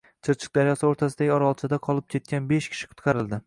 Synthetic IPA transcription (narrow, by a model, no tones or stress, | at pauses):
t͡ʃʰɨɾt͡ʃʰɨ̥q̚d̪aɾjɒsɪoɾt̪ʰasɪd̪aɡʲɪɒɾaɒlˠt͡ʃʰad̪aqʰɒlˠɪp̚kʲʰe̞t̪̚kʲʰanbe̞ʃkʲʰɪ̥ʃɪ̥qʰʊ̥t̪qʰɑɾɪlˠd̪ɪ